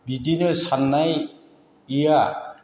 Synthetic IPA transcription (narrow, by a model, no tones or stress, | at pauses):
bidinɯsanːaj | ija